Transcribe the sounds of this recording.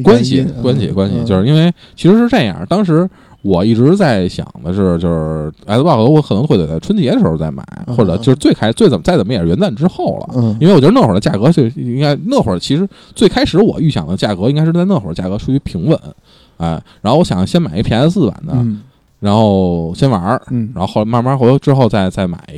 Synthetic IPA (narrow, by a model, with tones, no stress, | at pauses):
kwa˥nɕḭ˨kwa˥nɕḭ˨kwa˥nɕḭ˧t͡ɕjo˥˧ʊʂɻ̩˥˧i˥nwe˥˧ɪt͡ɕʰi˧˥ʂɻ̩˧˥ʂɻ̩˥˧ʈ͡ʂɤ˥˧˩jɑ̰˥˩t̪ɑ˥ŋʂ̬ɻ̩˧˥ | wɔ˨˩i˥˩ʈ͡ʂɻ̩˧˥t͡sa˥˩ɪɕjɑ̰˨˩ŋd̪ə˦˥˩t͡ɕjo˥˧ʊʂɻ̩˥˩˧pxɔ˧˥wkʰnɤ˧˥˧e˨˩t͡sʈ͡ʂʰwə˥nt͡ɕjɛ˧˥də˧ʂɻ̩˧˥xo˧t͡sa˥˩ɪma̰˨˩˦ɪxwɔ˥˩ʈ͡ʂɤ˨˩o˥˧ʊʂɻ̩˥t͡swe˥˩ɪkʰa˥ɪʂt͡swe˥˩ɪt͡sə˨˩mə˥t͡sa˥˩ɪt͡sə˨˩mə˥jɛ˨˩ɻɥɛ˧˥nt͡sa˥˩nʈ͡ʂɻ̩˥xo˥˩ʊlə̰˩ji˥nwe˧wn˥˩xə˞˨˩də˧t͡ɕja̰˥˩kɤ˧˥t͡ɕo˥˧˥i˥ŋɡa˥ɪnɤ˥˩xwə̰˨˩t͡ɕʰi˧˥ʂɻ̩˧˥ | t͡swe˥˩ɪkʰa˥ɪʂɻ̩˧˥wɔ̰˨˩y˥˩ɕjɑ˨˩ŋd̪ə˦t͡ɕja˥˩kɤ˧˥i˥ŋka˥ɪʂɻ̩˥˧t͡sa˥˧ɪɤ˥˩xwə˞˨˩ə˧t͡ɕa˥˩kɤ˧˥ʈ͡ʂʰu˥˧t͡ɕʰy˥˩pʰi˧˥ŋwə̰˧˦n | a˥˩ɪɻa˧˥nxo˥˧wɔ˥˩jɑ˨˩ŋɕjɛ˥nma˨˩ɪi˧˥pʰjɛ˧˥ə˧t͡sɹ̩˥˩a̰˨˩nd̪ə̰˦ | ɻa˧˥nxo˥˩ʊɕjɛ˥nwɐ˧˥a˧˥n˥xxlma˥˧ma˥xo˥˧˥ʈ͡ʂɻ̩˥xo˥˧ʊt͡sa˥˧ɪt͡sa˥˩ɪma̰˨˩˦ɪ